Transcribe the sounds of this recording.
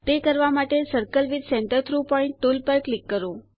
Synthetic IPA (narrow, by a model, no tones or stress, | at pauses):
t̪ekəɾʋamaʈesəɾkəlʋid̪seɳʈəɾt̪ʰɾupɔɪ̃ɳʈːulpəɾklikːəɾo